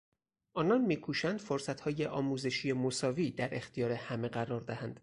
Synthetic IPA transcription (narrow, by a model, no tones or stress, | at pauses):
ʔɒːnɒnmiːkʰuːʃænd̪̥foɾsæt̪hɒːje̞ʔɒːmuːzeʃije̞mosɒːviːd̪æɾe̞xt̪ijɒːɾe̞hæme̞ɢæɾɒːɾd̪æhænd̪̥